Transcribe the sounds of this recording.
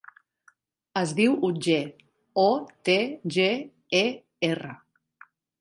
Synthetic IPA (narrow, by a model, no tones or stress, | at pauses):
əzðiwud͡ʒe | ot̪eʒe | e | erə